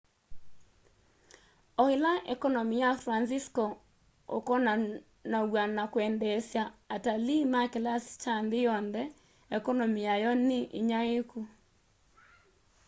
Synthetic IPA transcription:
ɔhɪlaʔɛkɔnɔmijafɾansiskɔ | o̰kɔna | nawanakwɛndɛsjaatalimakelast͡ʃandɪjɔnðɛ | ɛkɔnɔmijajɔnɪʔɪ̰ɲaeku

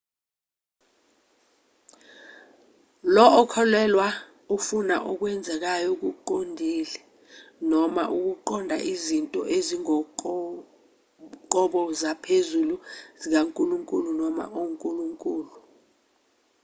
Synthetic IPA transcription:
lɔʔːkʰɔlɛlwa | ufuna̰ʔɔk̬wɛnd͡zʱɛk̬ajɔk̬uǃondʱiːlɛ | nɔma̰ʔuk̬uǃɔndʱa̰ʔizintʼɔ̰ʔeziŋɔ | ǃɔɓɔzapʰezuluzik̬aŋkʼuluŋkʼulunɔma̰ʔoŋkʼuluŋkʼuːlu

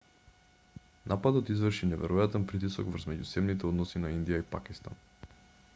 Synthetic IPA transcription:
nʔapad̪ɔt̪izvrʃinɛvɛɾɔjat̪ɛnpɾit̪isɔɡvɾzmɛɟusɛmnit̪ɛod̪nɔsinaind̪ijaipakist̪a̰n

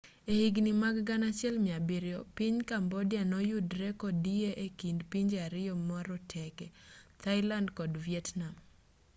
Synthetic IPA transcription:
ehiɡnimaɡɡanat͡ʃɛlmjabɪɾjɔpiɲkambɔdɪanɔjudɾɛkɔdieʔekindpiɲd͡ʒaɾɪɔmɔɾɔtʰɛkɛt̪ʰaɪlandkɔdviɛtnam

